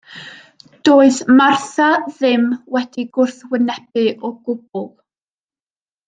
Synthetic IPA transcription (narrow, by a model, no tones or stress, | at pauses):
d̥oːɨðmarθaðɪmwɛd̥iɡʊrθwənɛbɨʔɔɡ̥ʊb̥̚ʊlˠ